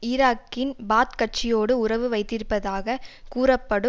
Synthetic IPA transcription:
ɪɾaːkːɪnbaːt̪kɐʈ̚t͡ʃːɪjoːɽɯʊɾɐʋɯʋɐɪt̪ːɪɾpːɐðaːɣɐkuːɾɐpːɐɽɯ

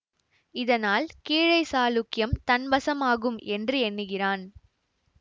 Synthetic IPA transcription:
ɪðɐnaːlkiːɻɐɪsaːlʊkːɪjɐmt̪ɐnbɐsɐmaːɣɯmʔɛndrɯɛnːɯɣɪraːn

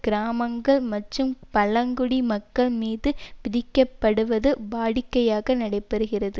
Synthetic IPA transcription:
ɡ̥ɪɾaːmɐŋɡɐɭmɐʈrɯmpɐlɐŋɡʊɽimɐkːɐɭmiːðɯpɪðɪkːɐpːɐɽɯʋɐðɯbaːɽɪkːɐjaːɣɐnɐɽɐɪpːɐɾɯɣɪrɐðɯ

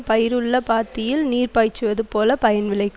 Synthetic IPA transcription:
pɐjɪɾɯɭːɐpaːɾt̪ːɪjɪlniːrpaːt͡ʃːɯʋɐðɯpoːlɐpɐjɐnʋɪɭɐɪkː

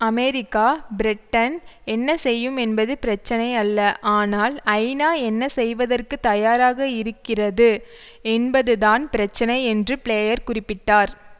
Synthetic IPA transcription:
ɐmeːɾɪkːaːbɪɾɪʈːɐnɛnːɐsɛjːɯmɛnbɐðɯpɪɾɐt͡ʃːɐnɐɪɐlːɐʔaːnaːlɐɪnaːɛnːɐsɛjʋɐðɐrkɯt̪ːɐjaːɾaːɣɐɪɾɯkːɪrɐðɯ | ɛnbɐðɯðaːnpɪɾɐt͡ʃːɐnɐɪɛndrɯpɭeːjɐɾkʊrɪpːɪʈːaːɾ

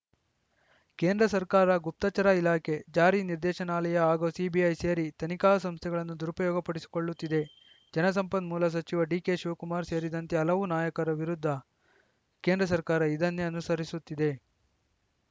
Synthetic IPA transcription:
ke̞ːnd̪ɾɐsɐɾkaːɾɐɡup̚t̪ɐt͡ʃɐɾailaːkʰe̞d͡ʒaːɾiniɾd̪ɛːʃɐnaːlɐjɐaːɡosiːbiɐjseːɾit̪ɐnikaːɐsɐmst̪ʰɛɡɐɭɐnːud̪uɾupɐjɔːɡɐpɐɽisi̥ko̞ɭːut̪ːid̪e̞ | d͡ʒɐnɐs̬ɐmpɐnmuːlɐs̬ɐt͡ʃiʋɐɖiːke̞ʃuːkumaːɾse̞ːɾid̪ɐnt̪eɐlɐʋunaːjɐkɐɾɐʋiɾud̪ʱːɐ | keːnd̪ɾɐs̬ɐɾkaːɾɐid̪ɐnːeɐnusɐɾisut̪ːid̪e̞

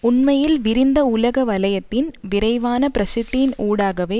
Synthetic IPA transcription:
ʊɳmɐjɪlʋɪɾɪnd̪ɐʊlɐɣɐʋɐlɐjɐt̪ːɪnʋɪɾɐɪʋaːnɐpɪɾɐsɪt̪ːɪjɪnuːɽaːɣɐʋeː

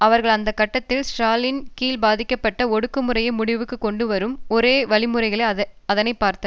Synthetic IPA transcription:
ɐʋɐɾɣɐɭɐnd̪ɐkːɐʈːɐt̪ːɪlsʈɾaːlɪnkiːlbaːðɪkːɐpːɐʈːɐɔɽɯkːɯmɯɾɐjɐmʊɽɪʋɯkːɯkːɔɳɖɯʋɐɾɯmɔɾeːʋɐɭɪmɯɾɐɪɣɐɭɐɐðɐnɐɪpːaːɾt̪ːɐ

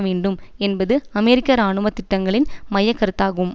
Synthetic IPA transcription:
ʋeːɳɖɯmɛnbɐðɯɐmɛɾɪkːɐɾaːɳɯmɐt̪ːɪʈːɐŋɡɐɭɪnmɐjɐkːɐɾɯt̪ːaːɣɯm

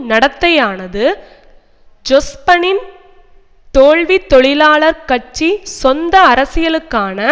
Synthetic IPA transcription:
nɐɽɐt̪ːɐjaːnɐðɯ | d͡ʒɔspɐnɪn | t̪oːɭʋit̪ːɔɭɪlaːɭɐɾkɐʈ̚t͡ʃːisɔnd̪ɐːɾɐsɪjɐlɯkːaːnɐ

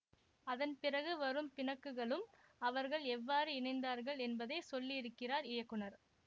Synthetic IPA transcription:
ɐðɐnpɪrɐɣɯʋɐɾɯmpɪnɐkːɯɣɐɭɯmɐʋɐɾɣɐɭɛʋːaːɾɯɪɳɐɪnd̪aːɾɣɐɭɛnbɐðɐɪsɔlːiɪɾɯkːɪraːɾɪjɐkːɯɳɐɾ

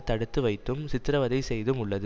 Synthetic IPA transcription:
t̪ːɐɽɯt̪ːɯʋɐɪt̪ːɯmsɪt̪ːɪɾɐʋɐðɐɪsɛjðɯmʊɭːɐðɯ

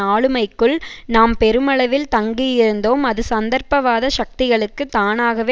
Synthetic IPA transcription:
aːɭɯmɐɪkːɯɭnaːmpɛɾɯmɐɭɐʋɪlt̪ɐŋɡijɪɾɯnd̪oːmɐðɯsɐnd̪ɐɾpɐʋaːðɐʃɐk̚t̪ɪɣɐɭɯkːɯt̪ːaːnaːɣɐʋeː

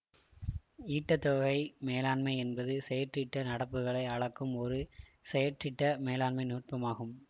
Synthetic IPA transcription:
iːʈːɐt̪ːoːɣɐɪmeːlaːɳmɐɪɛnbɐðɯsɛjɐʈrɪʈːɐnɐɽɐpːɯɣɐɭɐɪɐɻɐkːɯmɔɾɯsɛjɐʈrɪʈːɐmeːlaːɳmɐɪnuːʈʋɐmaːɣɯm

